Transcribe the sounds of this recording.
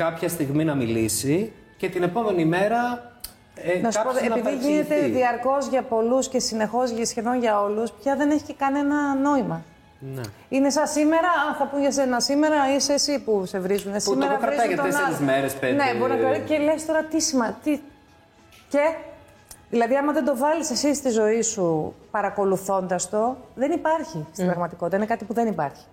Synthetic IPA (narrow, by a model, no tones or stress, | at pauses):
kɐpçɐst̪iɣminɐmilisi | ce̞t̪ine̞po̞me̞nime̞ɾɐ | enɐsukɐpot̪eepiðiʝinet̪eðiɐɾko̞zʝɐpo̞lusce̞sine̞xo̞zʝɐsçeðo̞nʝɐo̞luspçɐðe̞neçi̥cekɐnenɐno̞imɐ | ne | ine̞sɐsːime̞ɾɐɐnθɐpunʝɐse̞nɐsime̞ɾɐiseːsipuse̞vɾizunesimeɾɐvɾizɐt̪oenɐzmeɾesene̞boɾinɐɐielest̪o̞ɾɐt̪isimɐt̪i | ce | ðilɐðiɐmɐðend̪o̞vɐlise̞sist̪izo̞isupɐɾɐko̞luθo̞nd̪ɐst̪o̞ðe̞nipɐɾçist̪ibɾɐɣmɐt̪ikot̪it̪ɐinekɐt̪ipuðe̞nipɐ̰ɾçi̥